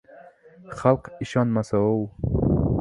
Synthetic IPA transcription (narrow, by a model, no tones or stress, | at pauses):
χalqiʃɔnmasaow